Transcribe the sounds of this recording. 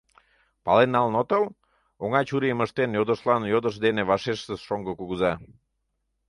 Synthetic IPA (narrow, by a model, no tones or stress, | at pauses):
pɑlenːɑlnot̪əl | oŋɑt͡ɕuɾiəməʃt̪enjod̪əʃlɑnjod̪əʃd̪eneβɑʃeʃt̪əsʃoŋɡəkuɣuzɑ